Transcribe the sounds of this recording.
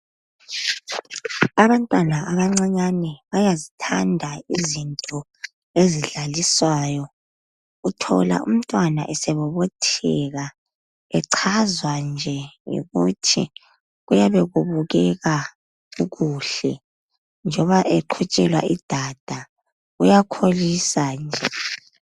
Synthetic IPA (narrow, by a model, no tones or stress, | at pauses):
aβantʼwanaʔaβaŋ͡ǀaɲanɛβajazitʰandʱaizintʼɔ | eziɮaliswaːjɔ | utʰɔ̰la̰ʔṵm̩tʼwana̰ʔɛsɛβɔβɔtʰɛɣa | ɛǀʰazwand͡ʒʱɛjḭɣutʰḭ | ɣujaβɛɣuβuɣɛɣa | uɣuːɬɛ | nd͡ʒʱɔβaʔɛǃʰut͡ʃʼɛlwa̰ʔid̥ʱad̥ʱa | ujakʰolisand͡ʒʱɛ